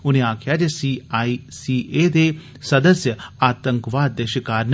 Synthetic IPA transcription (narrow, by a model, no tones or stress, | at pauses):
ʊnẽaːkʰjaːd͡ʒesiisiːʔeːd̪e | sɐd̪əsjəaːt̪ə̃ŋkʋaːd̪ːeʃəkaːɾn